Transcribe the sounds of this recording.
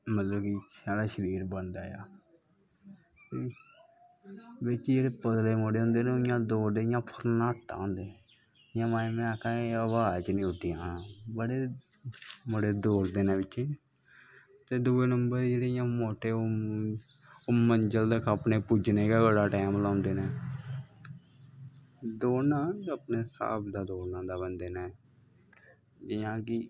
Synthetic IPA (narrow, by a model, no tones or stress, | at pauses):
mət̪ləbkisaːɽaːʃəɾiːɾbənd̪aːja̰ː | t̪e | ʋɪt͡ʃd͡ʒeːɽeːpəd̪leːmoːɽeːɦʊ̃ːnd̪eːnẽoɪjãːd̪oːɾd̪eːɪjãːpʰəɾnaːʈːa̰ːɦõːnd̪eː | jãːmãːẽmeaːkãːeəʋaːt͡ʃnĩːʊʈʰːɪjãːbəɽeː | moɽeːd̪oːɾd̪eːnẽːʋɪt͡ʃː | t̪eːd̪uːeːnəmbəɾd͡ʒeːɽejãːmoːʈeːo | oməɲd͡ʒəld̪əkʰapneːpuːd͡ʒneːkaːɡəɽaːʈɛːmlãːnd̪eːnɛ̃ː | d̪oːnãːəpneːsa̰ːbd̪aːd̪oːnãːd̪aːbənd̪eːnaː | d͡ʒɪjãːkɪ